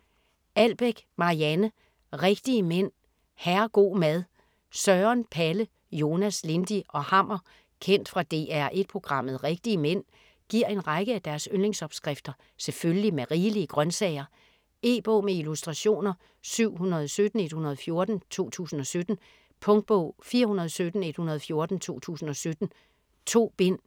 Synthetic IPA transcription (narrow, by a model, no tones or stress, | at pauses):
æl̰b̥eɡ̥mɑ̈iænə | ʁeɡ̥d̥iəmen̰ | hæɐɡ̥o̝̰ːmæð̞ˠ | sɶɐnpʰælə | jo̝ːnæsle̝nd̥iʔɒ̽hɑ̈m̰ɐ | kʰen̰d̥fʁɑ̈d̥e̝̰ːæɐ̰ʔe̝d̥̚pʰʁo̝ɡ̥ʁɑ̈m̰ð̞̩ˠʁeɡ̥̚d̥iəmen̰ | ɡ̥iɐ̰e̝nʁɑ̈ɡ̥əæd̥æɐsønleŋsɒ̽b̥sɡ̥ʁɛfd̥ɐ | seføllimeʁiːliəɡ̥ʁɶnsɛɪɐ | e̝̰ːb̥ɔ̰ːmeilusd̥ʁɑ̈ɕo̝̰ːnɐ | syʊ̰ɦunɐð̞ˠɒsød̥n̩e̝d̥hunɐðˠfjo̝ɐd̥n̩t͡sʰo̝̰ːt͡sʰṵːsn̩ɒ̽sød̥n̩ | pʰɔ̽ŋd̥̚b̥ɔ̰ːfiːɐɦunɐð̞ˠɒsød̥n̩e̝d̥hunɐð̞ˠfjo̝ɐd̥n̩t͡sʰo̝̰ːt͡sʰṵːsn̩ɒ̽sød̥n̩ | t͡sʰo̝̰ːb̥en̰